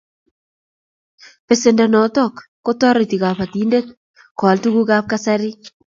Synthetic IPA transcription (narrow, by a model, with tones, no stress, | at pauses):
pe˨se˨ndɛ˨nɔ˨tɔ˦˨kːo˦tɔ˦ɾɔ˨ti˨ka˨pa˨ti˨˦nde˦t | kɔ˨ltu˦ku˦ka˦p̚ka˦sa˦ɾi˦